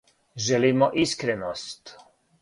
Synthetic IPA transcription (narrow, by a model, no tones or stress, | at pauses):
ʒɛlimɔʔiskɾɛnɔst̪